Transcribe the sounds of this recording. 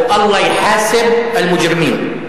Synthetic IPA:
ʔɑlˤːɑːjħaːsɪbɪlmʊd͡ʒɾɪmiːn

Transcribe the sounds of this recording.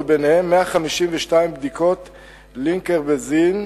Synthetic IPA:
benehemːeaχamiʃimveʃtaimbd̪ikʰo̞t̪ | liŋkeʁbezin

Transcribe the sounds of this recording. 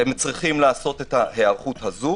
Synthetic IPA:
hemt͡sʁiχimlaːso̞t̪e̞tahe̞aʁχuthazu

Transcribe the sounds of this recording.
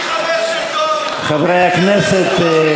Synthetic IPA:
χavɾajaknɛsɛt̪

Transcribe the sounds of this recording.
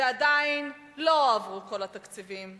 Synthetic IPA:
ead̪ain | lo̞avʁuko̞lat̪akt͡sivim

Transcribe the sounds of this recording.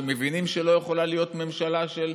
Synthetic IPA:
me̞vinimʃelo̞jeχo̞lalijo̞t̪me̞mʃalaʃel

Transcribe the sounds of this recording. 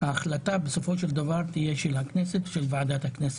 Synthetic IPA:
haːχlat̪abeso̞fo̞ʃeld̪avaʁt̪ijeʃelhakneset̪ʃelvaʕad̪at̪haknese̥

